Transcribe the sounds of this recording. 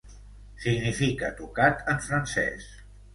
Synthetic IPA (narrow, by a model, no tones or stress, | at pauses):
siɡnifikə̰t̪ukat̪ʰəɱfɾənsɛ̰s